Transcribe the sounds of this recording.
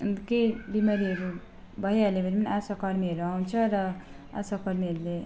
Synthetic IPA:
kebimaɾiɦʌɾu | bʌɦialebʱʌɾimʌnasakʌɾmiɦʌɾuaw̃t͡sʰʌɾʌ | a̰sakʌɾmiʌɾule

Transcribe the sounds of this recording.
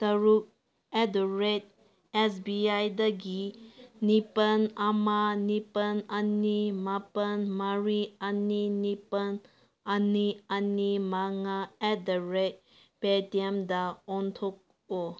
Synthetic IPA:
tɐɾuk̚ | ɛdoɾet̚ | ɛsbiajdaɡinipənamanipənanimapənmaɾianinipən | anianimaŋaɛdoɾet̚ | petɛmdaɔntʰok̚ | o

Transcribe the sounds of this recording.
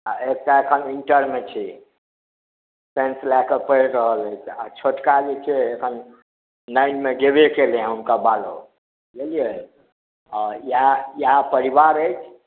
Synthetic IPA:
aek̚taekʰəniɳʈəɾmet͡ʃʰɛ | senslakəpəjɾəɦələjt͡ʃʰa̰t͡ʃʰoʈkad͡ʒet͡ʃʰɛːkʰən | nəjnmeɡebekelẽɦəmkabalo̰ | ɡelije | ɔjajapəɾibaɾəjt͡ʃʰ

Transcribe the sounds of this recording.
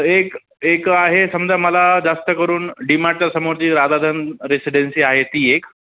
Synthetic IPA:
ek | ekaɦesəmd͡ʑaməlad͡zast̪əkəɾuːnɖimaɽt͡ɕasəmoɾt͡ɕiːɾad̪ad̪ʱənɾesiɖensiːaɦet̪iːek

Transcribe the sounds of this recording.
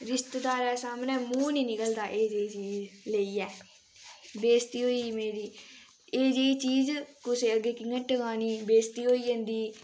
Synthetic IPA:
ɾɪst̪d̪aːɾɛːsaːmnɛ̃ːmũːniːnɪkəld̪aːʔeːd͡ʒeːiːt͡ʃiːzleiːɛː | beːst̪iːɦoːiːmeːɾiː | eːd͡ʒeːiːt͡ʃiːzkʊseːəɡːeːkɪŋəʈəɡãːniːbeːst̪iːɦoːiːd͡ʒẽːnd̪iː

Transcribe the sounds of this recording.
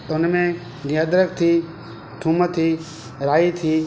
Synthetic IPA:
t̪ʊnmẽː | nɪəd̪ɾək̚t̪ʰiː | ʈʰũːmət̪ʰiː | ɾaːit̪ʰiː

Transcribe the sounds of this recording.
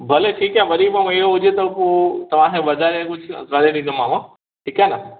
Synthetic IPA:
bʱɐleʈʰiːkãʋɐɾimamẽiɦoɦʊd͡ʑet̪ɐpoːt̪ɐʋ̤ãkʰẽʋɐd̪ʱaːɾekʊd͡ʑ̰ʱɾaːd̪eɗĩːnd̪omaːma | ʈʰiːkaːɦna

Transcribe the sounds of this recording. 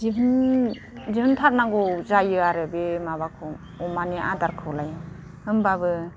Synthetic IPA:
zibɯn | zihɯntʰaɾnaɡɔzajɯaɾɯbemabakʰɔm | ɔmaniʔa̰daɾkʰɯlaj | hɯmbabɯ

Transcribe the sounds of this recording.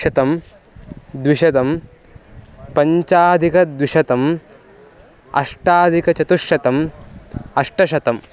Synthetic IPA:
ɐt̪ɐm | d̪ʋiʃɐt̪ɐm | pɐɲt͡ʃaːd̪ʱikɐd̪ʋiʂɐt̪ɐm | ɐ̰ʂʈaːd̪ʱikɐt͡ʃɐt̪uʂjɐt̪ɐm | ɐʂʈɐʃɐt̪ɐm

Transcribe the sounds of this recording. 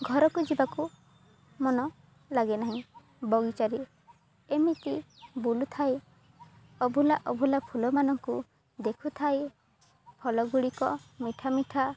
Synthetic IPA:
ɡʱɔɾɔkud͡ʒibaku | mɔnɔ | laɡenaɦĩ | bɔɡit͡ʃaɾi | emit̪ibulut̪ʰae | ɔbʱulaʔɔbʱulapʰulɔmanɔŋku | d̪ekʰut̪ʰae | pʰɔlɔɡuɽikɔmiʈʰamiʈʰa

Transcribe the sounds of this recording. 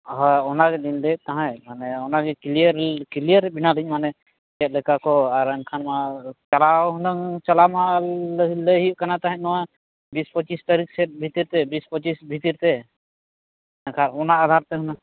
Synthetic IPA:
ɦɔɔnaɡɛlinlɛt̪aɦãjmanɛɔnaɡɛkiliəɾkilijəɾɛbinalic̚manɛ | ɛt̪̚lɛkakɔaɾənkʰanmat͡ʃalawɦunəŋt͡ʃalamaaləɦiləɦijʔkanat̪ãɦɛ̃nɔwa | bispɔt͡ʃist̪aɾiksɛt̪̚bʱit̪iɾt̪ɛbispɔt͡ʃisbʱit̪iɾt̪ɛ | nkʰanɔnaad̪ʱaɾt̪ɛɦuna

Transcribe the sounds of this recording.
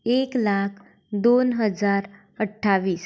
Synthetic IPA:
eklakʰ | d̪onɦəd͡zaɾ | əʈʰːaʋiːs

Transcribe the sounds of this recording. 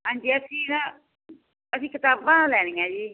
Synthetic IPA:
ɦãːɲd͡ʒiːəsĩːnã | əsĩːkɪt̪aːbãːlɛːñɪ̃ːãːd͡ʒiː

